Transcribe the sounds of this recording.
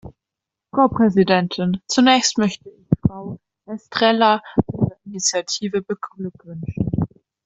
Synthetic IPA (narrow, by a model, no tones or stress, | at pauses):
fʁ̥aʊpʁ̥ɛzidɛntʰɪnt͡sunɛːçstmœçtəɪçfʁ̥aʊ | ʔɛstʁ̥ɛlad̥iːzəinit͡sjatʰiːvəbəɡlʏkv̥ʏnʃn̩